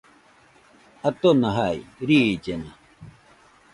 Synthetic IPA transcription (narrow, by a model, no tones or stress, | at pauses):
at̪onaɦajɾiːt͡ɕena